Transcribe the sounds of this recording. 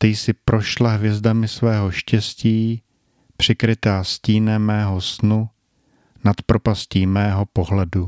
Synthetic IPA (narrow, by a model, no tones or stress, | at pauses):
t̪ɛjsɪpɾʔo̞ʃlaɦvjɛzdamɪsvɛːɦo̞ʃcɛsciː | pr̝̥ɪkɾɪt̪aːsciːnɛmːɛːɦo̞snu | nat̪pɾo̞pasciːmɛːɦo̞po̞ɦlɛdu